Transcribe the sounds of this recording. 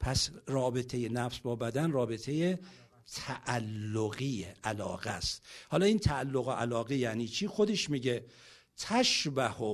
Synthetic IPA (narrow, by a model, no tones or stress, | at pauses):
pʰæsrɒːbe̞t̪ʰe̞jenæfsbɒːbæd̪ænrɒːbe̞t̪ʰeje | t̪ʰæʔælːoɣiːeʔælɒ̰ːɣæst̪hɒːlɒːiːnt̪ʰæːlːoɣoʔælɒːɣejæʔniːt͡ʃʰiːxod̪eʃmiːɡe | t̪ʰæʃbæho